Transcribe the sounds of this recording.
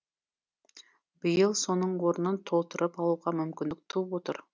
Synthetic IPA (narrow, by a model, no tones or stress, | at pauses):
bɪjəlˠso̞nəɴwo̞ɾənənt̪ʰo̞lˠt̪əɾʔəpɑlˠuʁɑmʏmkʲɪnɪk̚t̪ʰupwo̞t̪ə̰ɾ